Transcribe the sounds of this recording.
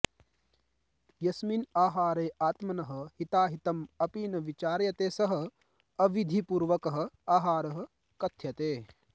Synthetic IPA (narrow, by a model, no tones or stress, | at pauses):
jɐsminaːɦaːɾeːʔaːt̪mɐnɐɦɐ̆hit̪aːɦit̪ɐmɐpiːnɐʋit͡ʃaːɾjɐt̪eːsɐɦɐ̆ | ɐʋid̪ʱipuːɾʋɐkɐɦɐ̆aːɦaːɾɐɦɐ̆ | kɐt̪ʰːjɐt̪eː